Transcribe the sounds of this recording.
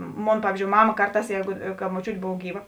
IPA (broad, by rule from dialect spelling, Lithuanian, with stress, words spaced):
ˈmoːn ˈpɑːʋʲiːzʲd͡ʒʲoːʊ ˈmɑːmɐ ˈkɐrˌtɑːs ˈjɛɪɡʊ kɐ moːˈt͡ʃʲuːtʲ ˈboːw ˈɡʲiːˌʋɐ